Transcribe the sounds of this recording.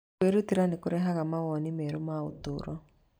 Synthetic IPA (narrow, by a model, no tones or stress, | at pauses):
eɾutiɾanekʊɾɛɦaɣamawɔnimɛɾomao̰tʊɾɔ